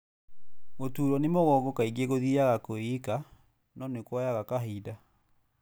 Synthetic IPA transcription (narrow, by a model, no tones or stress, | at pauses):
motuːɾɔnemɔɣɔɡɔkaiɡeɣoðiaɣakoika | nɔnekwɔjaɣakaɦiːda